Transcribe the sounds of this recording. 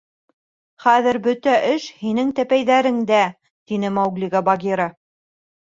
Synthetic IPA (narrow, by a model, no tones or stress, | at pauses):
χæðɘɾbɵt̪æʔɘʃhinɘŋt̪æpæjðæɾɘŋd̪æ | t̪inɘmɑwɡlʲiɡɑbɑɡʲeɾɑ